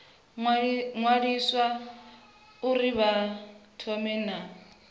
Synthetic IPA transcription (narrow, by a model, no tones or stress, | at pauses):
ŋwadiswa | ʊriβatʰɔmɛːna